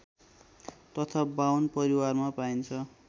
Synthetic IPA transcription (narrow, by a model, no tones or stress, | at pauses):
t̪ʌt̪ʰabawnpʌɾiwarmapajnt͡sʰʌ